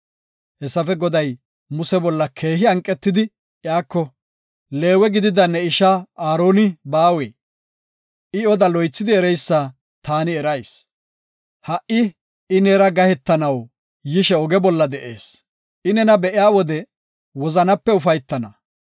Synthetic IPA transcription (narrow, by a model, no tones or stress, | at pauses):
hɛsːɐfɛɡɔd̪ɐj | mʊsɛbɔlːɐkʰe̞ːɦɪɐŋkʼːɛt̪ːɪd̪ɪ | jaːkːɔ | le̞ːwɛɡɪd̪ɪd̪ɐnːɛɪʃaaːɾo̞ːnɪbaːweː | ʔɪɔd̪ɐlɔjt͡sːɪd̪ɪɛɾɛjsːa | t̪aːnɪɛɾɐjs | hɐʔɪ | ɪneːɾɐɡɐhɛt̪ːɐnɐw | jɪʃɛɔɡɛbɔlːɐd̪ɛʔḛːs | ʔɪnɛnɐbɛʔɪjaːwɔd̪ɛ | wɔzɐnɐpːɛʊfɐjt̪ːɐnɐ